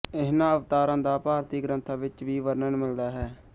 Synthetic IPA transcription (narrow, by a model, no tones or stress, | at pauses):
ɪɦnãːəʋt̪aːɾãːd̪aːpaːɾt̪iːɡɾə̃nt̪ʰaːʋɪt͡ʃʋiːʋəɾnəɳmɪld̪aːɦɛː